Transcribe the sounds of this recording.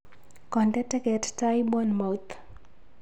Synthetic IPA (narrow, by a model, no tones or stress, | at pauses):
kɔntɛtɛkɛttajbɔnmot̪